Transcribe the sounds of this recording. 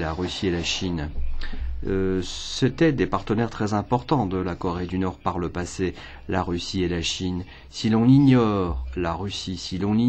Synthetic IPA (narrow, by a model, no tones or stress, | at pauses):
laʁysielaʃin | sɛt̪ɛd̪epaʁt̪ənɛʁt̪χɛzɛ̃pɔʁt̪ɑ̃d̪əlakɔʁed̪ynɔʁpaʁləpase | laʁysielaʃin | silɔ̃niɲɔʁlaʁysisilɔ̃ni